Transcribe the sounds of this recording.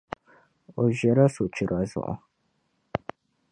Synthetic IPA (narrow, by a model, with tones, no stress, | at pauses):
o˨ʒɛ˨ɾa˦so˨t͡ʃɪ˨ɾa˨zʊ̰˨ʔʊ̰˨